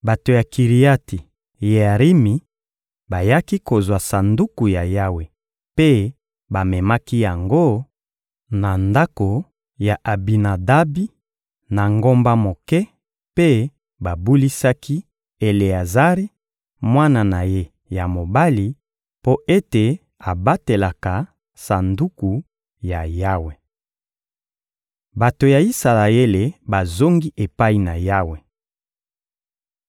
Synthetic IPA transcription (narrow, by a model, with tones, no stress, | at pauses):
ba˨to˨ja˨ki˨ʁi˨a˦ti˨ | je˨a˨ʁi˦mi˨ | ba˨ja˦ki˦ko˨zwa˨sa˨ndu˦ku˨ja˨ja˦we˨ | pe˦ | ba˨mɛ˨ma˦ki˦ja˨ŋɡo˦ | na˨nda˦ko˨ | ja˨ʔa˨bi˨na˨da˦bi˦ | na˨ŋɡo˦mba˦mo˨kɛ˦ | pe˦ | ba˨bu˦li˦sa˦ki˦ | e˨le˨a˨za˦ʁi˦ | mwa˦na˨na˨je˦ | ja˨mo˨ba˦li˨ | po˦ʔe˦te˨ | a˨ba˦te˨la˨ka˨ | sa˨ndu˦ku˨ | ja˨ja˦we˨ | ba˨to˨ja˨i˦sa˨la˨e˦le˨ba˨zo˦ŋɡi˦ʔe˨pa˦i˨na˨ja˦we˨